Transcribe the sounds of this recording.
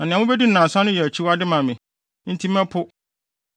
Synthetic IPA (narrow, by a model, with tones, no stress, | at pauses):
nã˨nɪ̃˨a˨ʊ̃˦be˦di˦n̩˨nã˨sã˦nʊ̃˦jɛ˨æ˨t͡ɕʰi˦wa˦dɪ˦mã˨mɪ̃˨ | n̩˦tʰi˦m˦ɛ̃˦pʰʊ˦